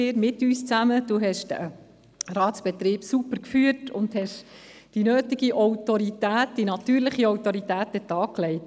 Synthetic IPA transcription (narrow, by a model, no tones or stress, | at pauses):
eːɾmɪtyːst͡sæməd̥uɦɛʃdə | rɑːt̪sb̥ɛt̪ɾiːbsupəɾkfyːətʊndhɛʃd̥inøːtiɡiʔɔwtɔɾitæːt̚d̥inɑt̪yːɾlɪχiɔwtɔɾitæːt̚dɛtɑːklɛɪt